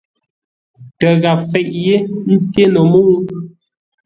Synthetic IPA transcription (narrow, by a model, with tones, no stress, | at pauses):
tə˨ɣa˨fɛ˨ʔje˦n̩˦te˦nə˨mu˦ŋ˦